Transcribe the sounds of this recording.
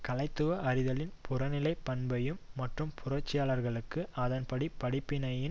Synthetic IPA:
kɐlɐɪt̪ːɯʋɐʔɐɾɪðɐlɪnpʰʊrɐnɪlɐɪpːɐnbɐjɯmːɐʈrɯmpʰʊrɐt͡ʃːɪjaːlɐɾɣɐɭɯkːɯɐðɐnpɐɽipɐɽɪpːɪnɐjɪn

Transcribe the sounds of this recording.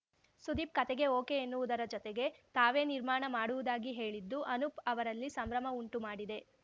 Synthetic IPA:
sud̪iːp̚kɐt̪ɛɡe̞oːkeenːuʋud̪ɐɾɐd͡ʒɔt̪eɡe̞t̪aːʋe̞ːniɾmaːɳɐmaːɽuʋud̪aːɡiɦe̞ːɭid̪ːuʔɐnupɐʋɐɾɐlːisɐmɾɐmɐuɳʈumaːɽid̪e̞

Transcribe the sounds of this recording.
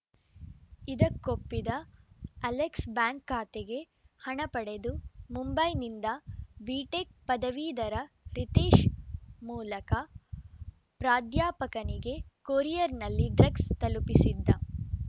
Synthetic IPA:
id̪ɐkːopːid̪ɐɐleksbaːŋkːaːt̪eɡe̞ | hɐɳɐpɐɽe̞d̪umumbɐjnind̪ɐbiːʈek̚pɐd̪ɐʋiːd̪ɐɾɐ | ɾit̪eːʃmuːlɐkɐ | pɾaːd̪jaːpɐkɐniɡe̞koːɾijɐɾnɐlːiɖɾɐɡst̪ɐlupisid̪ːɐ

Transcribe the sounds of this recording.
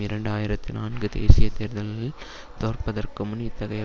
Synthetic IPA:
ɪɾɐɳɖaːjɪɾɐt̪ːinaːnɡɯd̪ḛːsɪjɐt̪ːeːɾðɐlɐlɪl | t̪oːrpɐðɐrkɯmʊnɪt̪ːɐɣɐjɐ

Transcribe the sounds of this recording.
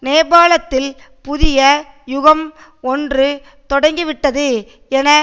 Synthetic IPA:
neːbaːlɐt̪ːɪl | pʊðɪjɐ | jʊɣɐm | ɔndrɯ | t̪ɔɽɐŋɡiʋɪʈːɐðɯ | ɛnɐ

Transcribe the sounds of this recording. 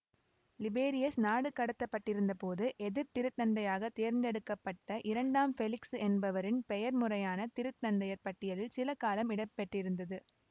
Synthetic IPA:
lɪbeːɾɪjɐsnaːɽɯkːɐɽɐt̪ːɐpːɐʈːɪɾɯnd̪ɐpoːðɯʔɛðɪɾt̪ɪɾɯt̪nɐnd̪ɐjaːɣɐt̪eːɾnd̪ɛɽɯkːɐpːɐʈːɐʔɪɾɐɳɖaːmfɛlɪksɛnbɐʋɐɾɪnpɛjɐɾmʊrɐjaːnɐt̪ɪɾɯt̪nɐnd̪ɐjɐɾpɐʈːɪjɐlɪlsɪlɐkaːlɐmɪɽɐpːɛʈrɪɾɯnd̪ɐðɯ

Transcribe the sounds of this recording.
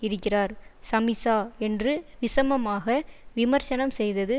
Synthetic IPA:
ɪɾɯkːɪraːɾsɐmɪsaːɛndrɯʋɪsɐmɐmaːɣɐʋɪmɐɾt͡ʃɐnɐmsɛjðɐðɯ

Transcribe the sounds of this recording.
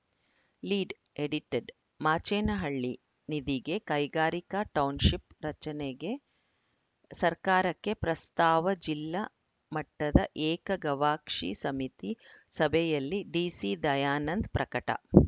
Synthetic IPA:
liːɖ | eɽiʈeɖ | maːt͡ʃeːnɐɦɐɭːi | nid̪iɡe̞kɐjɡaːɾikaʈɐwnʃipɾɐt͡ʃɐneɡe̞ | sɐɾkaːɾɐkːe̞pɾɐst̪aːʋɐd͡ʒilːɐ | mɐʈːɐd̪ɐʔeːkɐɡɐʋaːkʂḭsɐmit̪isɐbʱɛjɐlːiɖiːsid̪ɐjaːnɐnd̪pɾɐkɐʈɐ̰

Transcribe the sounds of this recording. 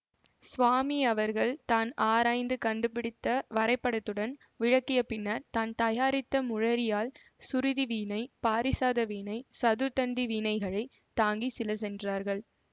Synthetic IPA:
sʋaːmiɐʋɐɾɣɐɭt̪aːnaːɾaːɪnd̪ɯkɐɳɖɯpɪɽɪt̪ːɐʋɐɾɐɪpːɐɽɐt̪ːɯɽɐn | ʋɪɻɐkːɪjɐpɪnːɐɾt̪aːnt̪ɐjaːɾɪt̪ːɐmʊɻɐɾɪjaːl | sʊɾɪðiʋiːnɐɪpaːɾɪsaːðɐʋiːnɐɪsɐðɯt̪ɐnd̪iʋiːnɐɪɣɐɭɐɪ | t̪aːŋɡisɪlɐsɛndraːɾɣɐɭ

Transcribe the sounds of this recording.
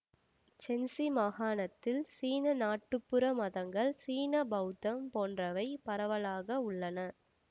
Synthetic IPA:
t͡ʃɛnsimaːɣaːnɐt̪ːɪlsiːnɐnaːʈːɯpːɯɾɐmɐðɐŋɡɐɭsiːnɐbɐt̪ːɐmpoːndrɐʋɐɪpɐɾɐʋɐɭaːɣɐʊɭːɐnɐ

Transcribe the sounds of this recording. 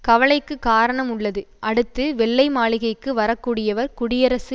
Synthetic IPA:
kɐʋɐɭɐɪkːɯkaːɾɐɳɐmʊɭːɐðɯʔɐɽɯt̪ːɯʋɛɭːɐɪmaːɭɪɣɐɪkːɯʋɐɾɐkːuːɽɪjɐʋɐɾkʊɽɪjɐɾɐsɯ

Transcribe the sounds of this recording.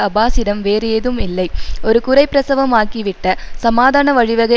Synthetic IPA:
ɐbaːsiɾɐmʋeːɾejeðɯmɪlːɐɪoɾɯkʊrɐɪpːɾɐsɐʋɐmaːkːiʋɪʈːɐsɐmaːd̪ʱaːnɐʋɐɻiʋɐɣɐ

